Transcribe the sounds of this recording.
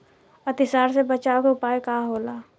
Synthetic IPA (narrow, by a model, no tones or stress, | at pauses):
ɐt̪ɪsaːɾsebət͡ʃaːʋkeʊpaːekaːɦoːlaː